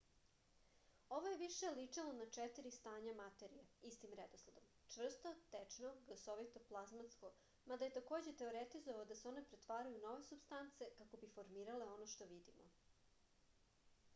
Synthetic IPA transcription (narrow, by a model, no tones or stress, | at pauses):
o̞ʋoje̞ʋiʃelit͡ʂalonat͡ʂɛt̪iɾist̪aːɲamat̪e̞ɾijeist̪imɾed̪oslˠad̪om | t͡ʂʋr̩st̪ot̪et͡ʂnoɡosoʋit̪oplˠazmat̪sko̞ | mad̪aje̞t̪ako̞ːd͡ʑet̪e̞o̞ɾet̪izoʋaod̪aseo̞ne̞pɾet̪ʋaːɾajuno̞ʋe̞subst̪ant̪se̞kako̞bifo̞ɾmiːɾale̞o̞noʃt̪o̞ʋid̪imo̰